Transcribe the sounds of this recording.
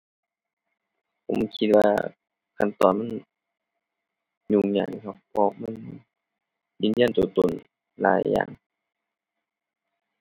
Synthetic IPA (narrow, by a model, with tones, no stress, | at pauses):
pʰo˨˦mkʰi˧t̪̚waː˧ | kʰa˧˨nt̪ɔː˨nma˧˥˨n | ɲu˧˩˨ŋɲaː˧˩˨kʰa˧˩pʰɔ˧ma˧˥˨n | jiː˧˥˨njaː˧˥˨nt̪uː˧˨˩t̪o˧˨n | la̰ː˨˦jːa̰ː˧˩˨ŋ